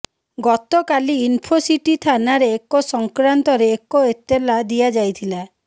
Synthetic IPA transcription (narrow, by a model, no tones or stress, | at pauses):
ɡɔt̪ɔkaliinpʰosiʈit̪ʰanaɾeːkosɔŋkɾant̪ɔɾeːkoet̪elad̪ijad͡ʒajt̪ʰila